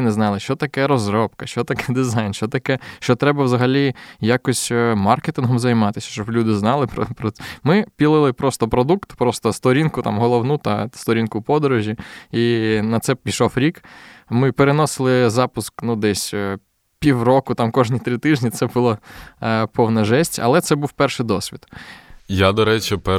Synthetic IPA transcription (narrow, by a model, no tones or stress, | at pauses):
neznɑlˠɪʃt͡ʃɔt̪ɐkɛɾɔzɾɔp̚kɐʃt͡ʃɔt̪ɐkɛd̪ɪzɑjnʃt͡ʃɔt̪ɐkɛʃt͡ʃɔt̪ɾɛbɐwzɐɦɐlʲijakɔsʲmɑrket̪ɪnɦɔmzɐjmɑt̪ɪsʲɐ̥ʃt͡ʃɔblʲud̪ɪznɑlˠɪpɾɔ̰pɾɔmɪpʲilˠɪlˠɪpɾɔst̪ɔpɾɔd̪ukt̪pɾɔst̪ɔst̪ɔɾʲinkʊt̪ɑ̰mɦɔlˠɔwnut̪ɐst̪ɔɾʲinkʊpɔd̪ɔɾɔʒʲiinɐt̪sɛpʲiʃɔfɾʲikmɪpeɾenɔsɪlˠɪzɑpʊsknud̪ɛsʲ | pʲiwrɔkʊt̪ɑmkɔʒnʲit̪ɾɪt̪ɪʒnʲit̪sɛbʊlˠa | pɔwnɐʒɛsʲtʲɐ̰lˠɛt̪sɛbuwpɛrʃɪjd̪ɔsʲʋʲid̪jad̪ɔɾɛt͡ʃipɛ